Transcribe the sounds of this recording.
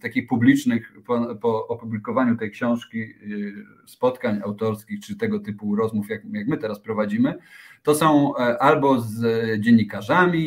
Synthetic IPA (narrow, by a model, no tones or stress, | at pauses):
t̪akʲixpublʲit͡ʂnɘxpɔpɔɔpublʲikɔvaɲut̪ɛjkɕɔ̃w̃ʂkʲi | spɔt̪kaɲawt̪ɔɾskʲixt͡ʂɘt̪ɛɡɔt̪ɘpuɾɔzmufjakjakmɘt̪ɛɾaspɾɔvad͡ʑimɘt̪ɔsɔ̃w̃ʔalbɔzd͡ʑeɲːikaʐamʲi